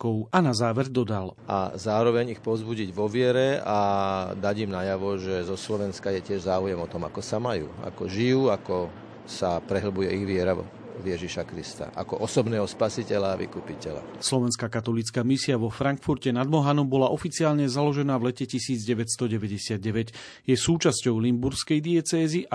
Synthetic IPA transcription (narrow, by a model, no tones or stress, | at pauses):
kɔʊanazaːʋɛɾd̪ɔd̪alʔa̰zaːɾɔʋɛɲixpɔzbuɟiɟʋɔʋɪɛɾɛad̪aɟimnajaʋɔʒɛzɔslɔʋɛnskajɛcɪɛʒzaːujɛmɔt̪ɔma̰kɔsamajṵːa̰kɔʒijuːakɔ | sapɾɛɦl̩bujɛiɣʋɪɛɾa | vjɛʒiʃakɾist̪a̰ʔa̰kɔʔɔsɔbnɛːɦɔspasicɛlaːʋḭkupicɛla̰slɔʋɛnskaːkat̪ɔlit͡skaːmisiaʋɔfɾaŋkfuɾcɛnad̪mɔɦanɔmbɔlaʔɔfit͡siaːlɲɛzalɔʒɛnaːvlɛcɛcisiːd͡zɟɛʋɛt̪st̪ɔɟɛʋɛɟɛsɪad̪̚ɟɛʋɛɟ | jɛsuːt͡ʃascɔʊlimbuɾskɛjd̪iɛt͡sɛːziʔa